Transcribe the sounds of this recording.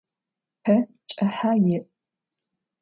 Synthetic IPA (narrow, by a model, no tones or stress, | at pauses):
pʰɐ | t͡ʃʼɐħajɪʔʼ